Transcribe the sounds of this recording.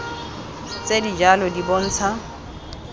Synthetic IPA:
t͡sedid͡ʒalɔdibon̩ːt͡sʰa

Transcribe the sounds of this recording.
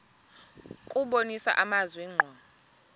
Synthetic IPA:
kʼuɓonisa̰ʔamazwiŋ͡ǃʱwa

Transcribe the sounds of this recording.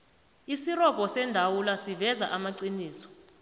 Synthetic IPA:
isirɔpʼɔsɛndʱawulasivɛza̰ʔamaǀiniːsɔ̥

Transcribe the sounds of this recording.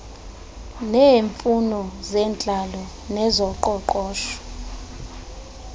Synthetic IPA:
neːɱfunɔzɛnt͡ɬʼalɔ | nɛzɔǃɔǃɔːʃɔ̥

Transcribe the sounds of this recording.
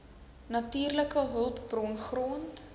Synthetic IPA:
nɐtyːrləkəɦəlˠpbrɔnχront

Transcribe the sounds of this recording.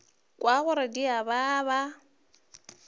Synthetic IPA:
kʼwaɣʊɾadiaβaːβa

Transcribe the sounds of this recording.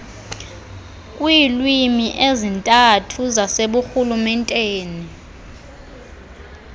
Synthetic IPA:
kʼwilwimiʔezintʼatʰuzaseɓuxulumɛntʼeːni

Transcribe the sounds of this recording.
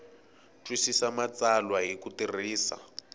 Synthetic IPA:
tʰʼwisisamat͡salwaɦikutir̤iːsa̰

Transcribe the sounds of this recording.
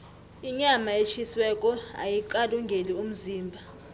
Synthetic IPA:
iɲamaeʃʰiswɛk̬ʼɔa̰jiǃaluŋɡʱelium̩ziːmbʱa

